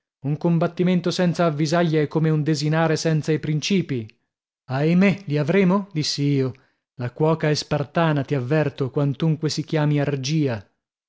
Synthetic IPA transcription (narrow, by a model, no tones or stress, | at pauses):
uŋkombat̪ːiment̪osɛnt̪saːvːizaʎːaɛkːomeund̪ezinaːɾesɛnt̪sajpɾint͡ʃiːpi | ajmeliavɾeːmod̪isːiiːo | lakwɔːkaɛspart̪aːnat̪iavːɛrt̪okwant̪uŋkwesikjaːmiard͡ʒiːa